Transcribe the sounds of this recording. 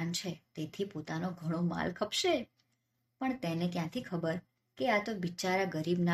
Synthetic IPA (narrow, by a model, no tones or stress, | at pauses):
nt͡ʃʰet̪et̪ʰipot̪anoɡʱəɽ̃oma̰lkʰəpʃe | pəɳt̪enekjãt̪ʰikʰəbəɾ | keat̪obit͡ʃaɾaɡəɾibna